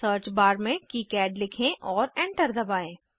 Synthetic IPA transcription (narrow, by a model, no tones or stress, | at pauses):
əːɾt͡ʃbaːɾmẽkiːkɛːɖlɪkʰẽʔɔːɾɛ̃ːɳʈəɾd̪ɐbaːẽː